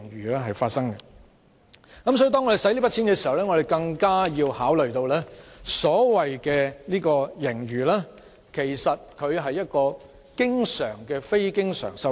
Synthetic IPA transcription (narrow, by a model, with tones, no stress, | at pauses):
ŋjyː˨lɛː˥ɦɐ˨jfaː˧t̚sɐ˥ŋɡɛ˧ | kɐ˨˦msɔː˨˥i˨˧t̪ɔː˥ŋːɔ˧e˨sɐ˨˥jliː˥pɐ˥tt͡sʰi˨˥nkɛ˧si˨hɐ˨wlɛː˥ŋɔ˨˧ɾe˨jkɐ˧ŋkaː˥jiː˧whaː˨˥wlɵ˨˩ɥt̪o˧wlɛː˥sɔː˨˥wɐ˨jkɛː˧liː˥kɔː˧jɪ˨˩ŋɥyː˨˩laː˥ | kʰe˨˩jsɐ˨t̚kʰɵ˨˧ɥɦɐ˨jːɐ˥t̚kɔː˧ | kɪ˥ŋsœː˨˩ŋkɛː˧fe˥jkɪ˥ŋsœ̰ː˨˩ŋsɐ˧w